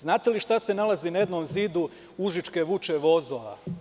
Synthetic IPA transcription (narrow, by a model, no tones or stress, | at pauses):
znaːt̪e̞liʃt̪ase̞nalˠazinajed̪nomziːd̪u | uʒit͡ʃke̞ʋut͡ʃeʋo̞zoʋa̰